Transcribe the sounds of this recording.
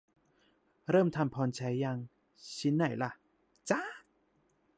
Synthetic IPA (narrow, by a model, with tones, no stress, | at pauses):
ɾɤː˥˩mt̪ʰa˧mpʰɔː˧nt͡ɕʰa˨˦˥jːa˧ŋ | t͡ɕʰi˦˥nːa˨˩jla˧˩ | t͡ɕa˦˥